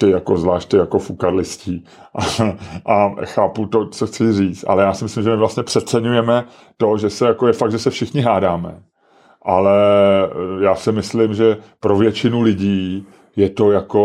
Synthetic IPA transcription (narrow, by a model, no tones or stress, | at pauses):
t̪ɪjako̞zvlaːʃt̚t̪ɪjako̞fukaɾlɪsciː | ʔaʔaxaːput̪o̞t͡soxt͡sɪriːt͡st̪ʔa̰lɛjaːsɪmɪslɪmʒɛmɪvlast̪ɲɛpr̥ɛt̪̚t͡sɛɲujɛmɛ | t̪o̞ʒɛsɛjakojɛfak̪̚ʒɛsɛfʃɪxɲɪɦaːdaːmɛ̰ | ʔalɛ | jaːsɪmɪslɪmʒɛpɾo̞vjɛt͡ʃɪnulɪɟiː | jɛt̪o̞jako̞